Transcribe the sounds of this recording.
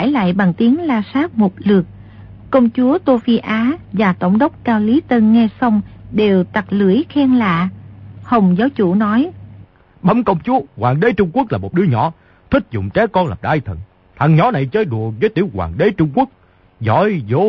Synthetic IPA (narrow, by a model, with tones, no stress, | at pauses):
a˧˩jla̰ː˧˨jɓa˨˩ŋt̪i˨˦əŋlaː˧saː˦˥k̚mo˨˩t̚lɨ˨˩ək̚ | kːə˧wŋ͡mt͡ɕu˨˦ət̪o˧fi˧ʔaː˨˦vaː˨˩t̪ə̰˧˩wŋ͡mɗə˦˥wk͡p̚kaː˧wli˨˦t̪ə˧nŋɛ˧sa˧wŋ͡mɗe˨˩wt̪a˨˩t̚lɨ˧˩əjxɛ˧nla̰ː˧˨hə˨˩wŋ͡mzaː˨˦wt͡ɕṵ˧˩nɔ˨˦j | ɓa˨˦mkə˧wŋ͡mt͡ɕu˨˦əɣwaː˨˩ŋɗe˨˦t͡ɕʊ˧ŋ͡mku˦˥ək̚laː˨˩mo˨˩t̚ɗɨ˨˦əɲɔ̰˧˩˦ | t̪ʰï˦˥k̚zʊ̰˧˨ŋ͡mt͡ɕɛ˨˦kɔ˧nla̰ː˨˩p̚ɗaː˧jt̪ʰə̰˧˨n | t̪ʰa˨˩ŋɲɔ˨˦na˨˩jt͡ɕəː˧jɗu˨˩ək̚zəː˨˦jt̪i˧˩˦wkwa̰ː˨˩ŋɗe˨˦t͡ɕʊ˧ŋ͡mku˦˥ək̚ | zɔ̰˧˥˦jzo˨˦